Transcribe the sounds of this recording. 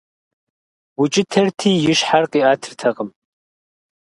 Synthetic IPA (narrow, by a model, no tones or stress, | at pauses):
wʊt͡ʃʼɪtʰɐrtʰiːjɪʃħarqʼiːaːtʰɨrtʰɐqəm